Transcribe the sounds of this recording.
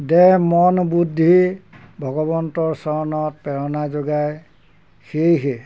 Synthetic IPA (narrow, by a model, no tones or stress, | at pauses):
dɛmɔnbudʱːibʱɔɡɔbɔntɔɹsɔɹɔnɔt̚pɛɹɔnazoɡaj | xejɦe